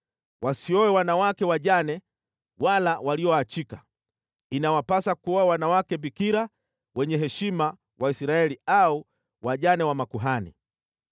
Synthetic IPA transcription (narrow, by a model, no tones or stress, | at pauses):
wasiɔwɛwanawakɛwaʄanɛ | walawaliɔat͡ʃika | inawapasakuɔawanawakɛbikiɾa | wɛɲɛɦɛʃima | waisɾaɛliau | waʄanɛwamakuɦanḭ